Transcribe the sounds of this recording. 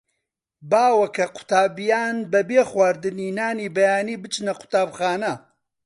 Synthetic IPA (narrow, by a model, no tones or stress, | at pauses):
baːwɐkʰɐqʰʊ̥t̪aːbijaːnbɐbeːxwaːɾd̪ɨniːnaːniːbɐjaːniːbɨt͡ʃnɐqʰʊ̥t̪aːbxaːnɐ